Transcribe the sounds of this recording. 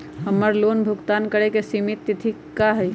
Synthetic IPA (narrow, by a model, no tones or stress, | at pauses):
ɦəmːəɾlonbʱukt̪ankəɾekesimit̪ːit̪ʰi | kaɦɛ